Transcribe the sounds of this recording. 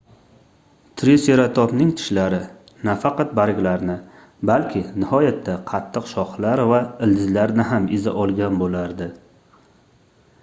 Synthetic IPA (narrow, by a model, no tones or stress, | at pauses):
t̪ʰɾeseɾat̪ʰɒpnɪŋt̪ʰɪ̥ʃlaɾɪ | nafɑqɑt̪̚baɾɡʲlaɾnɪ | balkʲʰɪnɪhɒjat̪ʰːaqʰɑt̪ʰːɨqʃɒχlaɾvaɪld̪ɪzlaɾnɪɦamɪza̰ʔɒlˠɡʲanbolaɾd̪ɪ